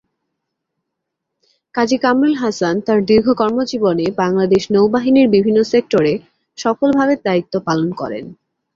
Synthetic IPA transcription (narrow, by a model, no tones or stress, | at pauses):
kad͡ʑikamɾelɦasant̪aɾd̪iɾɡʱokɔɾmod͡ʑibonebaŋlad̪eʃnowbaɦiniɾbibʱinːosek̚ʈoɾe | ʃɔkolbʱaβeɾd̪ait̪ːopalonkɔ̰ɾḛn